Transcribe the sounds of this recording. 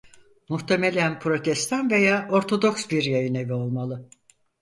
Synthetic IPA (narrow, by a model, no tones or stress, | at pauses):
muht̪ʰe̞melʲænpʰɾo̞t̪ʰɛst̪ʰanve̞jaːʔo̞ɾt̪ʰo̞d̪o̞ksbiɾjajɯnevio̞lˠmalˠɯ